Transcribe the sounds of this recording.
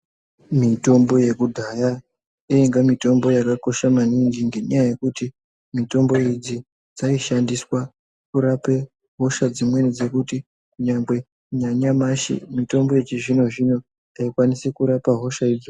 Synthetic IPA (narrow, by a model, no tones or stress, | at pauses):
mito̞mbo̞je̞kudʱaja | iiŋɡamito̞mbo̞jakako̞ʃamaniŋɡiŋɡe̞ɲajaje̞kuti | mito̞mbo̞id͡zi | d͡zaiʃandiswa | kuɾape̞ | ɦo̞ʃad͡zimwe̞nid͡ze̞kuti | kuɲamɡwe̞ | ɲaɲamaʃḭmito̞mbo̞jet͡ʃiʐino̞ʐino̞ | aikwanisekuɾapaɦo̞ʃaid͡zo